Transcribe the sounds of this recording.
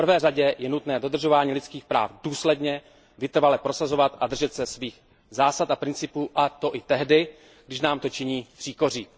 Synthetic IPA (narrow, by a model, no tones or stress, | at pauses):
prvɛːraɟɛjɛnut̪nɛːdo̞d̪r̩ʒo̞vaːɲiːlɪt͡skiːxpɾa̰ːfduːslɛdɲɛ | vɪt̪r̩valɛpɾo̞sazo̞vat̪ad̪r̩ʒɛt̪sɛsviːx | zaːsat̪ʔapɾɪnt͡sɪpuːʔat̪o̞ʔɪt̪ɛɦdɪ | ɡdɪʃnaːmt̪o̞t͡ʃɪɲiːpr̥iːko̞r̝iː